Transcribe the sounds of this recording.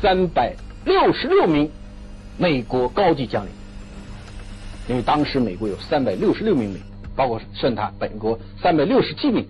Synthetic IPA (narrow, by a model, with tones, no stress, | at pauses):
sa˥npa˨˩ɪ | ljo˥˩ʊʂɻ̩˧˥ljo˥˩ʊmi˧˥ŋ | me˨˩ɪkwɔ˧˥kɑ˥ʊt͡ɕi˥˩t͡ɕjɑ˥ŋlḭ˨˩˦n | i˥nwe˥˩ɪt̪ɑ˥ŋʂɻ̩˧˥me˨˩ɪkwɔ˧˥jo˨˩ʊsa˥npa˨˩ɪljo˥˩ʊʂɻ̩˧˥jo˥˩ʊmi˧˥ŋme˨˩ɪ˥pɑ˥ʊkʰwɔ˥˩ʂwə˥˩nt̪ʰa˥˩pə̰˨˩nkwɔ˧˥ | sa˥npa˨˩ɪljo˥˩ʊʂɻ̩˧˥t͡ɕʰi˥mi˧˥ŋ